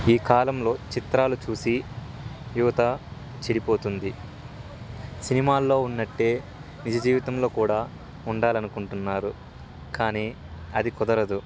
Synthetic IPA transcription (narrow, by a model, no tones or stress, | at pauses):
iːkaːlɐmlo̞ːt͡ʃit̪ɾaːlut͡ʃuːsi | juʋɐt̪ɐ | t͡ʃeɽipo̞ːt̪und̪i | sinimaːlːo̞ːunːɐʈːe̞ː | nid͡ʒɐd͡ʒiːʋit̪ɐmlo̞ːkuːɽaː | uɳɖaːlɐnukuɳʈunːaːɾu | kaːniː | ɐd̪ikɔd̪ɐɾɐd̪u